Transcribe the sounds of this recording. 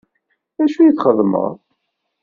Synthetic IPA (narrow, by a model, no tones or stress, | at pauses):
æʃujət͡sχəðˤːmə̰ʁˤ